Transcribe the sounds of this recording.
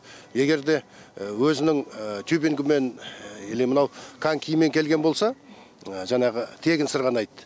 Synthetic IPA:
je̞ɡʲe̞ɾd̪e̞wɵzɪnɪŋt̪ʰjubiŋɡɪme̞nelemənɑwkʰaŋkʲʰijme̞ŋkʲʰe̞lɡʲe̞nbo̞lˠsɑ | ʒɑɴɑʁət̪ʰe̞ɡʲɪnsəɾʁɑnɑjt̪ːə̥

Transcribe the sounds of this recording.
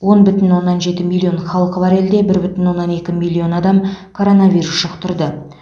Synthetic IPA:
wo̞nbʏt̪ɪnwo̞nːɑnʒe̞t̪ɪmilʲːio̞nχɑlˠəqəvɑɾe̞ld̪e̞bɪɾbʏt̪ɪnwo̞nːɑne̞kʲɪmilʲːio̞nɑd̪ɑmkʰo̞ɾo̞nɑvʲijɾusʃəqt̪ʰʊɾd̪ə

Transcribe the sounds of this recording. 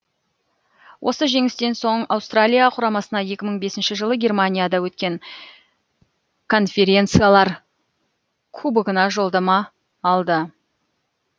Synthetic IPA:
wʔo̞̰səʒe̞ŋɪst̪e̞nso̞ɴɑwst̪ralʲijaqʰʊɾɑmɑsənɑje̞kʲɪməɴbe̞sɪnʃɪʒəlˠəɡʲe̞rmanʲijad̪ɑwɵt̪kʲe̞ŋ | kʰo̞nfʲe̞ɾʲe̞nt̪sɨjalˠɑɾ | kʰubəɡənɑʒo̞lˠd̪ɑmɑː | lˠd̪ə

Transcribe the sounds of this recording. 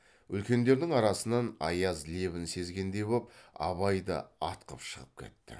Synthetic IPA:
ʏlkʲe̞nd̪e̞ɾd̪ɪŋɑɾɑsənɑnɑ̰jɑzle̞βɪnse̞zɡʲe̞nd̪e̞jbop̚ɑ̰βɑjd̪ə̰ɑt̪qə̰pʃəʁəp̚kʲʰe̞̰t̪ːɪ̰

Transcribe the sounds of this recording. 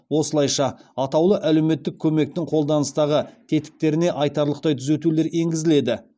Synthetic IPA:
wo̞səlˠɑjʃɑɑt̪ɑwlˠəʔæle̞wme̞t̪ːɪkʲʰɵme̞k̚t̪ɪŋqʰo̞lˠd̪ɑnəst̪ɑʁət̪ʰe̞t̪ɪ̥k̚t̪e̞ɾɪne̞ʔɑjt̪ɑɾlˠəqt̪ɑjt̪ʰʏze̞t̪ule̞ɾe̞ŋɡʲɪzɪle̞d̪ɪ

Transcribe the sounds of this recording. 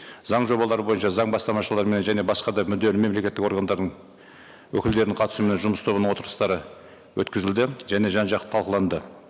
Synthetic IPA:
zɑɴʒo̞bɑlˠɑɾəbo̞jənʃɑzɑɴbɑst̪ɑmɑʃəlˠɑɾmene̞nʒæne̞bɑsqɑd̪ɑmʏd̪e̞lɪme̞mle̞kʲe̞t̪ːɪko̞ɾɡɑnd̪ɑɾd̪əɴ | wɵkʲɪld̪e̞ɾɪɴqʰɑt̪ə̥sumenenʒʊməst̪ʰo̞βənəɴwo̞t̪əɾəst̪ɑɾə | wɵt̪kʲɪzɪld̪ɪʒæne̞ʒɑnʒɑq̪ə̥t̪ʰɑlˠqəlˠɑnd̪ə

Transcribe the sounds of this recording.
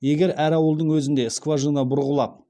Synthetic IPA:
je̞ɡʲe̞ɾæɾɑwəlˠd̪əɴwɵzɪnd̪e̞skvaʒənɑbʊɾʁəlˠɑp̚

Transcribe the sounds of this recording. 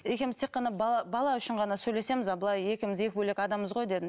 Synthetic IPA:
e̞kʲemɪzt̪ʰeqːɑnɑbɑɑbɑlˠɑʏʃɪɴʁɑnɑsɵjle̞se̞mɪzɑbəlˠɑje̞kʲɪmɪze̞kʲɪbɵle̞kʲɑd̪ɑməzʁo̞jd̪ed̪ɪn

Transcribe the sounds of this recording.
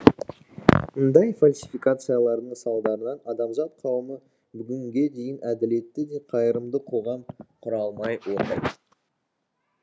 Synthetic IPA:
mʊnd̪ɑjfalʲsifikat̪sɨjalˠɑɾd̪əɴsɑlˠd̪ɑɾənɑnɑd̪ɑmʒɑt̪̚qʰɑwəmə | bʏɡʲɪŋɡʲe̞d̪e̞jɪnæd̪ɪle̞t̪ːɪd̪e̞qʰɑjəɾəmd̪əqʰo̞ʁɑmqʰʊɾɑlˠmɑjwo̞ɾt̪ɑjt̪

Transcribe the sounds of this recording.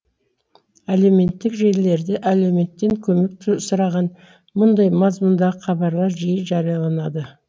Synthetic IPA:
ælewme̞nt̪ːɪkʒe̞ɾle̞ɾd̪ɪʔæle̞wme̞t̪ːe̞ŋkʲʰɵme̞k̚t̪ʰsʊɾɑʁɑn | mʊnd̪ɑjmɑzmʊnd̪ɑʁəqʰɑbɑɾlˠɑɾʒijəʒɑɾijɑlˠɑnɑd̪ə

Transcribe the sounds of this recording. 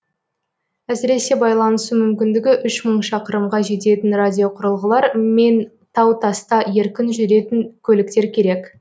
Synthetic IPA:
æsɪɾe̞se̞bɑjlˠɑnəsumʏmkʲɪnd̪ɪɡʲɪʔʏʃməɴʃɑqəɾəmʁɑʒe̞t̪e̞t̪ɪnradʲijo̞qʰʊɾəlˠʁəlˠɑɾme̞n | t̪ʰɑwt̪ʰɑst̪ɑje̞ɾkʲɪnʒʏɾe̞t̪ɪŋkʲʰɵlɪk̚t̪e̞ɾkʲʰe̞ɾe̞k

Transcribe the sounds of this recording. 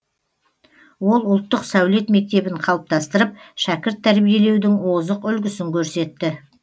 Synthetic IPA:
wo̞lˠʊlˠt̪ːəqsæwle̞t̪me̞k̚t̪e̞bɪɴqʰɑlˠəp̚t̪ɑst̪əɾəp̚ʃækʲɪɾt̪ʰːæɾbije̞le̞wd̪ɪŋwo̞zəqʏlɡʲɪsɪŋkʲʰɵɾse̞t̪ːɪ

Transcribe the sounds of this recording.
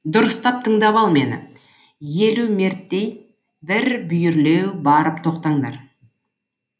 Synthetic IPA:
d̪ʊɾəst̪ɑp̚t̪ʰəɴd̪ɑβɑlˠme̞nɪ̰ | je̞lume̞ɾt̪ːe̞j | bɪɾbʏjʏɾle̞wbɑɾəpt̪ʰo̞qt̪ɑɴd̪ɑ̰ɾ

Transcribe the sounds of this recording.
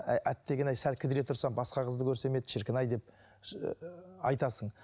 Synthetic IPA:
æʔæt̪ːe̞ɡʲenæjsælkʲʰɪd̪ɪɾe̞t̪ʰʊɾsɑbɑsqɑqʰəzd̪əkʲʰɵɾse̞me̞d̪ʃɪɾkʲɪnɑjd̪e̞p̚ | ɑjt̪ɑsəɴ

